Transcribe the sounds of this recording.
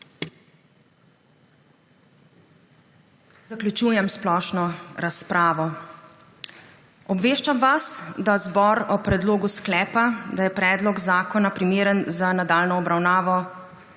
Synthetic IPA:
zaklʲjut͡ʃuːjɛmsplɔːʃnɔɾaspɾʔaːʋɔ | ɔbʋeːʃt͡ʃamʋasd̪azbɔɾɔpɾɛd̪loːɡusklɛːpad̪ajɛpɾɛːd̪lɔɡzaːkɔnapɾimeːɾənzanad̪aːlnɔːbɾawnaːʋɔ

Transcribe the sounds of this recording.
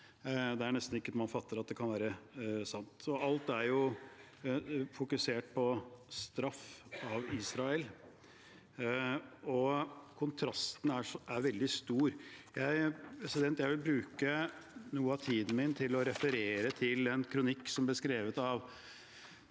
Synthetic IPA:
d̪ɛæɳɛst̪nɪkːəmɑnfɑt̪ːəɾɑt̪̚d̪ɛkʰɑnʋæːɾəsɑnt̪ɔɑlt̪æɾjʊ | fʊkʉseːʈ̚pʰɔst̪ɾɑfɑʋiːsɾɑɛl | ɔkʰʊnt̪ʰɾɑst̪n̩ææɾʋɛld̪ɪst̪uːɾjæɪpʰɾɛsɪd̪ɛnt̪jæɪʋɪlbɾʉːkənuːəɑt̪ʰiːd̪n̩mɪnt̪ʰɪlɔɾɛfəɾeːɾət̪ʰɪlɛnkʰɾʊnɪkːsɔmblɪskɾeːʋət̪ɑʋ

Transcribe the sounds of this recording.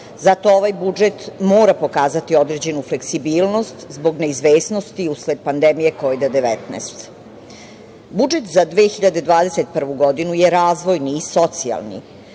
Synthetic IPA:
zat̪o̞oʋajbud͡ʒet̪moːɾapo̞kaːzat̪io̞d̪ɾed͡ʑe̞nufle̞ksibiːlˠno̞st̪zbo̞ɡne̞izʋeːsno̞st̪iusled̪̚pand̪emije̞koʋid̪ad̪eʋɛt̪nɛ̰ːst̪ | bud͡ʒet̪zad̪ʋeːxiʎad̪e̞d̪ʋaːd̪eset̪̚pr̩ʋuɡo̞d̪inujeɾaːzʋo̞jniːso̞t̪sia̰lnḭ

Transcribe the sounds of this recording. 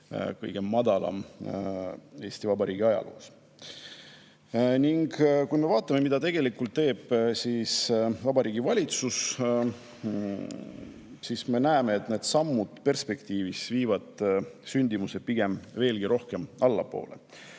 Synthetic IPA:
kɤ̰jɡ̥e̞mːɑd̪̥ɑlɑ̰m | e̞ːsʲt̪ivɑbɑɾiːɡ̥iɑjɑ̰lʔṵːs | niŋɡkujme̞vɑːt̪ˑːɑme̞mid̪ɑt̪eɡ̥e̞likːult̪t̪ːe̞ːb̥sisvɑbɑɾiːɡ̥ivɑlʲit̪sus | sisme̞næeme̞ːt̪ˑne̞ːd̪̥sɑmːud̪̥pe̞rspe̞kt̪iːvisviːvɑd̪̥synʲd̪̥imuse̞piɡ̥e̞mve̞ːlɡ̥iɾʔo̞hke̞mɑlːɑ̰po̞̰ːle̞̰

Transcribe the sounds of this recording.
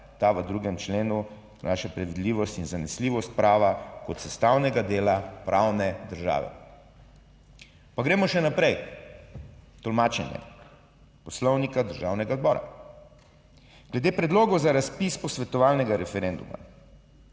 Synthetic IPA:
t̪aʋəd̪ɾuːɡɛmt͡ʃleːnu | na̰ːʃapɾɛʋid̪liːʋɔst̪inzanɛsliːʋɔst̪̚pɾaːʋakɔt̪sɛst̪awnɛɡad̪eːlapɾʔawnɛd̪əɾʒa̰ːʋɛ̰ | paɡɾeːmɔʃɛnapɾɛj | t̪ɔlmaːt͡ʃɛnjɛ̰ | pɔslɔwnikad̪əɾʒawnɛɡaɔd̪bɔːɾa̰ | ɡ̥lɛd̪eːpɾɛd̪loːɡɔzaɾaspispɔsʋɛt̪ɔʋaːlnɛɡaɾɛfɛɾend̪ṵma̰

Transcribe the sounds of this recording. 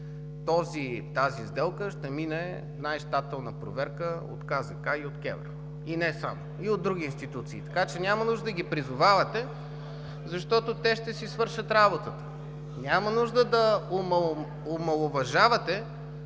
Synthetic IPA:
t̪ɔzit̪azizd̪ɛlˠkəʃt̪ɛminɛ | najʃt̪at̪ɛlˠnəpɾovɛɾkəo̰t̪kazɐkaiot̪kʲɛ̰vɾo | inɛsa̰mo | iod̪̚d̪ɾuɡ̟ʲiinst̪it̪ut̪sḭːt̪ɐ̥kat͡ʃɛnʲamɐnuʒd̪əd̪əɡʲipɾizʊvavɐt̪ɛ | zɐʃt̪ɔt̪ot̪ɛʃt̪ɛsisvɤɾʃət̪ɾabot̪ət̪ə̥ | nʲamɐnuʒd̪əd̪ɐomɐ | omɐlˠovɐʒavɐt̪ɛ

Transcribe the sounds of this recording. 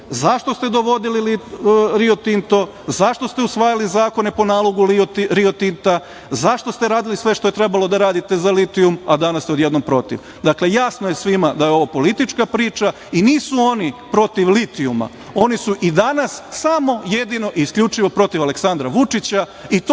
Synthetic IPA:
zaʃt̪o̞st̪e̞d̪o̞ʋo̞d̪ililiɾiot̪int̪o̞ | zaʃt̪o̞st̪eusʋaːjalizaːko̞ne̞po̞naːlˠo̞ɡut̪ɾiot̪int̪a | zaʃt̪o̞st̪eɾaːd̪ilisʋe̞ʃt̪oe̞t̪ɾe̞balˠo̞d̪aɾaːd̪it̪e̞zalit̪iumad̪anast̪eo̞d̪je̞d̪nompɾo̞t̪ḭʋ | d̪akle̞jasnojesʋimad̪ajeo̞ʋapo̞lit̪it͡ʃkapɾiːt͡ʃa | iniːsuo̞nipɾo̞t̪iʋlit̪iuma̰ | o̞nisuʔid̪anasːamo̞jed̪ino̞ʔiːskʎʲut͡ʃiʋo̞pɾo̞t̪iʋale̞ksand̪ɾaʋut͡ʃit͡ɕa | it̪

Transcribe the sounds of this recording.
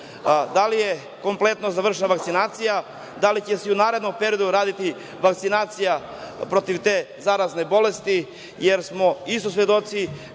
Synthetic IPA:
d̪alije | ko̞mple̞t̪nozaʋr̩ʃ̬enaʋakt̪sinaːt̪sija | d̪alit͡ɕesɛunaːɾe̞d̪nompeɾijo̞d̪uɾaːd̪it̪i | ʋakt̪sinaːt̪sija | pɾo̞t̪iʋt̪e̞ːzaɾazne̞bo̞lest̪i | jeɾsmo̞ist̪osʋjed̪o̞t̪si

